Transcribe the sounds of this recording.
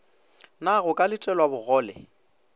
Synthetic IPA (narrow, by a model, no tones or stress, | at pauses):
naɣʊkʼalɪtʼɛlwabʊɣɔːlɛ̰